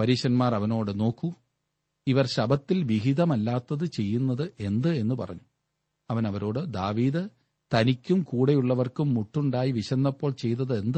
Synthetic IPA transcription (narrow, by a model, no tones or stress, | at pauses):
pɐɾiːɕɐnmaːrɐʋɐno̞ːɽɨno̞ːkːu | iʋɐrɕɐbɐt̪ːilʋiɦiðɐmɐlːaːt̪ːɐðɨt͡ɕe̞jːunːɐðɨʔe̞nd̪ɨe̞nːupɐ̰rɐ̰ɲːu | ɐʋɐnɐʋɐɾo̞ːɽɨd̪aːʋiːðɨ | t̪ɐnikʲːumkuːɽejuɭːɐʋɐrkumːuʈːuɳɖaːjiʋiɕɐnːɐpːo̞ːɭt͡ɕe̞jt̪ːɐðɨe̞nd̪ɨ